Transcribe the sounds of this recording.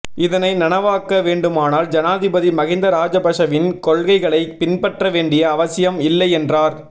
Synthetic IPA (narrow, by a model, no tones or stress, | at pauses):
ɪðɐnɐɪnɐnɐʋaːkːɐʋeːɳɖɯmaːnaːld͡ʒɐnaːðɪbɐðimɐɣɪnd̪ɐɾaːd͡ʒɐbɐʂɐʋɪnkɔɭɣɐɪɣɐɭɐɪpɪnpɐʈrɐʋeːɳɖɪjɐːʋɐsɪjɐmɪlːɐɪɛndraːɾ